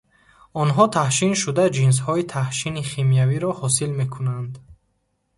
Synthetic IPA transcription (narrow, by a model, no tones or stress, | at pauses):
ɔnɦɔt̪ʰahʃinʃud̪ad͡ʒins̬hɔit̪ʰahʃiniχimijaviɾɔhɔsilme̞kʰunand̪